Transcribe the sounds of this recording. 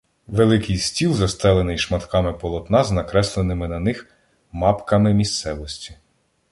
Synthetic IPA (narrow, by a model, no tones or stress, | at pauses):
ʋelˠɪkɪjsʲtʲilˠzɐst̪ɛlˠenɪjʃmɐt̪kɑmɪpɔlˠɔt̪nɑznɐkɾɛslˠenɪmɪnɐnɪx | mɑpkɐmɪmʲist̪sɛʋɔsʲtʲi̥